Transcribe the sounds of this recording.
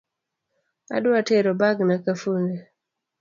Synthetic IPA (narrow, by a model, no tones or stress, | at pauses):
a̰dwateɾɔbaɡnakafuŋɡe